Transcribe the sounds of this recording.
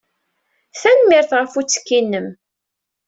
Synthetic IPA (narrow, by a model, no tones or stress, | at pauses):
θænmɪɾθʁəfut͡sːə̥kːinːəm